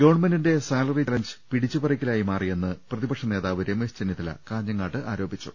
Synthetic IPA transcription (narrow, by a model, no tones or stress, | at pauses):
ɡɐʋɳmɐndinde̞saːlɐrilɐɲd͡ʑɨ̥piɽit͡ɕːupɐrikʲːilaːjimaːrije̞nːɨprɐðibɐkʂɐne̞ːðaːʋiɾemeːst͡ɕenːjɐt̪ːilɐ̰kaːɲːɐŋːaːʈːɨʔaːɾo̞ːbit͡ɕːṵ